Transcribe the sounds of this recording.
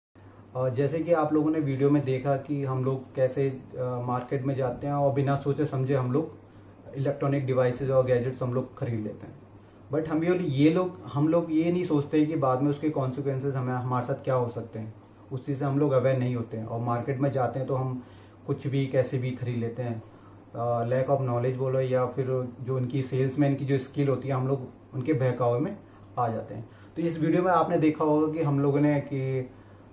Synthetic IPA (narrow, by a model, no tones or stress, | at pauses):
d͡ʒɛːsekiaːploːɡõneʋiːɖijomẽd̪eːkʰakiɦɐmloːɡkɛːsemaːɾkeːʈmẽd͡ʒaːt̪eɦɛ̃ɔːɾbɪnasoːt͡ʃesɐ̃md͡ʒʱeɦɐmloːɡ | ɪlɛːk̚ʈɾɔːnɪk̚ɖɪʋaːɪsɪzɔːɾɡɛːd͡ʒɪʈsɦɐmloːɡxɐɾiːd̪leːt̪eɦɛ̃ː | bɐʈɦɐmiɔɾjeloːɡhɐmloːɡjenɐɦĩsoːt͡ʃt̪eɦɛ̃kibaːd̪mẽʊskekɔːnsɪkwʋɛ̃ːnsɪzɦɐmɦɐmaːɾesaːt̪ʰkjaɦosɐk̚t̪eɦɛ̃ː | ʊst͡ʃiːzseɦɐmloːɡɐbɛːnɐɦĩɦoːt̪eɦɛ̃ʔɔ̰ːɾmaːɾkeːʈmẽd͡ʒaːt̪eɦɛ̃t̪oɦɐm | kʊt͡ʃʰbʱikɛːsebʱixʰɐɾiːd̪leːt̪eɦɛ̃ː | lɛːkɔːfnɔːled͡ʒboːlojafʰɪɾd͡ʒoːɪnkiseːlsmẽɪnkid͡ʒoːɪskɪlɦoːt̪iɦɛɦɐmloːɡ | ʊnkebʱɛːkaːʋɾmẽ | aːd͡ʒa̰ːt̪eɦɛ̃ː | t̪oɪsʋiːɖijomẽaːpned̪eːkʰaɦoːɡak̬iɦɐmloːɡoneki